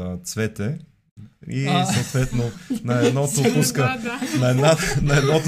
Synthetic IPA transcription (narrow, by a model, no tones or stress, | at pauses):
ət̪svɛt̪ɛ | isot̪vɛt̪nonɐɛd̪nɔt̪opuskənɐɛd̪nanɐɛd̪nɔt̪